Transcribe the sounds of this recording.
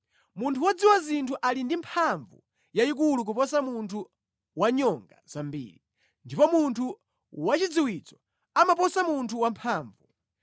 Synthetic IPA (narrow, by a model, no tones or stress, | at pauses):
muntʰuwad͡ziwazintʰuʔalindimpʰaɱvṵ | jaik̬uluk̬upɔs̬amuntʰu | waɲɔŋɡa̰z̥ambḭːɾi | ndipɔmuntʰu | wat͡ʃid͡ziwit͡sɔ̥ | amapɔsamuntʰuwampʰaːɱvu